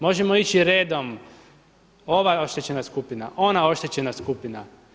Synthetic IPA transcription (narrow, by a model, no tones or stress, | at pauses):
mo̞ʒemo̞it͡ɕiɾeːd̪o̞m | o̞ʋaeo̞ʃt̪et͡ɕe̞naskupinaʔo̞nao̞ʃt̪et͡ɕe̞naskupina